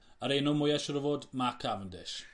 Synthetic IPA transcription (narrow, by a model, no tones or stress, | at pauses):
əɾenɔmʊjɛʃɔɾəvoːdmakʰavəndɪʃ